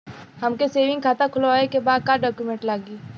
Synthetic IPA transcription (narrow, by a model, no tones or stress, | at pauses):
hɐmkeseːʋɪ̃ŋɡkʰaːt̪akʰʊlaːekebaːd̪̚kaːɖɔːkjumẽːɳʈlaːɡiː